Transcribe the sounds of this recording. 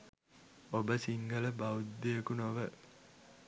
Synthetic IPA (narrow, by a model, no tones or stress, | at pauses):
obəsiŋɡɐləbɐud̪ːiekunoʋə